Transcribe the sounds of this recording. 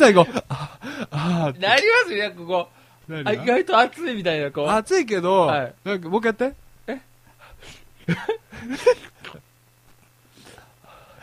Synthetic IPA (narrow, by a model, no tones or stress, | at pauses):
saiɡoaanaɾʲimasɨekoko | naɾʲiiɡait̪o̞at͡sɨimʲit̪ainakoat͡sɨik̬e̞d̪o̞ainakamokjat̪ːe | e